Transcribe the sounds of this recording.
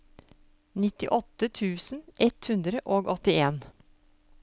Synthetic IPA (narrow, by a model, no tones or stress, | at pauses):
nɪt̪ɪ̰ʔɔt̪ːət̪ʰʉːsn̩ʔɛt̪hʉnd̪ɾəʔoːɡɔt̪ɪeːn